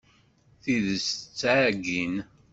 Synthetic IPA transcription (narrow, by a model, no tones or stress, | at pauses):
θiðəsət͡sːʕɡin